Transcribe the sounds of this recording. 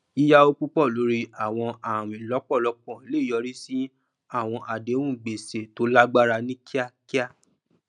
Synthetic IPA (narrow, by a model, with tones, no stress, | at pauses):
i˦ja˦o˧ku˦k͡pɔ˦˨lo˨˦ɾi˧a˦˨w̃ɔ̃˧a˨w̃ĩ˨lɔ˨˦k͡pɔ˦˨lɔ˨˧˦k͡pɔ̃˦˨le˨˦˨jɔ˨˧˦ɾi˦si˦ | a˦˨w̃ɔ̃˧ʔa˨de˨˦wũ˦˨ɡ͡be˨se˨to˨˦la˦ɡ͡ba˦ɾa˧nĩ˦kʰi˦a˦ki˦a˦